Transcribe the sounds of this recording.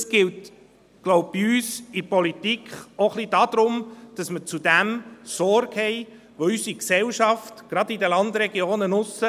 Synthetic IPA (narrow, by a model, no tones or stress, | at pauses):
sɡ̥ɪlt | ɡ̥lɔʊb̚b̥iyːsɪpɔlitikχoχlid̥ɑːd̥̪ɾʊmd̥ɑsmət͡sud̥æmsɔɾɡhɛɪ | ʋoysiksɛlʃɑftɡ̥ɾɑdidəlɑnd̪ɾɛɡjoːnənʊsːə